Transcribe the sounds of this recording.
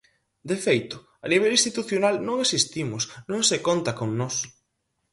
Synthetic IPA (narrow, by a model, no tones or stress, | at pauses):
d̪efejt̪ʊ | aniβ̞elĩst̪it̪uθjonalnõŋesist̪imʊsnõŋsekont̪akoŋnɔs